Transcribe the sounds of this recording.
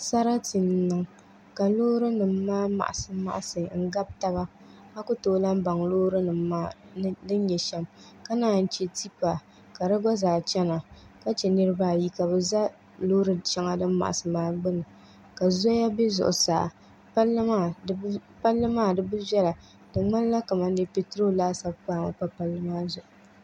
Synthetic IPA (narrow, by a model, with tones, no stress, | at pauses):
sa˦ɾa˦ti˨n˨˦nɨ˨ŋ | ka˨loː˦ɾɨ˦nɨ˨mːaː˦ma̰˨ʔa˨sɨ˦ma̰˨ʔa˦˨sɨ˨ŋ̩˦ɡa˦b̚ta˦ba˦ | a˦kʊ˦toː˦la˦m˦ba˨ŋloː˦ɾɨ˦nɨ˨mːaː˦dɨ˦n˦ɲɛ˨ʃɛ˦mka˦naː˨˦˨n̩˦t͡ʃɛ˦ti˦pa˨ | ka˨ɾɨ˦ɡa˦zaː˨t͡ʃɛ˦na˨ | ka˦t͡ʃɛ˨nɨ˦ɾɨ˦baː˦˨ji˦ka˨bɨ˨za˦ | loː˦ɾɨ˨t͡ʃɛ˦ŋa˦dɨ˦mː˦a̰˨ʔa̰˨sɨ˨maː˦ɡ͡bɨ˦nɨ˨ | ka˨zɔ˦ja˦be˦zʊ̰˨ʔʊ̰˨sa̰ː˨ | pa˦lːɨ˦maː˦˨˦pa˦lːɨ˦maː˦˨dɨ˦bɨ˦bɛ˦la˨ | dɨ˨ŋ͡ma˦n˦la˦ka˨ma˦n˦dɨ˦pe˨tɾo˦laː˦sa˦b̚paː˨˦˨ma̰˨pa˦pa˨lːɨ˦maː˦zʊ˨ʔʊ˨